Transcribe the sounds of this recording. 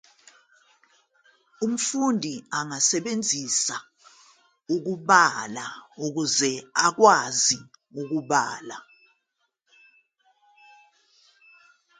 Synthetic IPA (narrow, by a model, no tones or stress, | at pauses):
um̩fundʱiaŋasɛɓend͡zʱisa | uk̬uɓalauk̬uzɛak̬waziuk̬uɓaːla